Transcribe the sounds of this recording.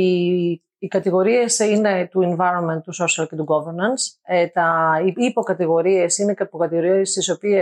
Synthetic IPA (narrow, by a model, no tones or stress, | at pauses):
iː | kɐt̪iɣo̞ɾie̞sine̞t̪ueɱvɐjɾo̞nme̞nt̪t̪ːuso̞siɐlce̞t̪uɡoveɾnɐnset̪ɐiipo̞kɐt̪iɣo̞ɾie̞sinekɐpokɐt̪iɣo̞ɾiɐst̪iso̞pie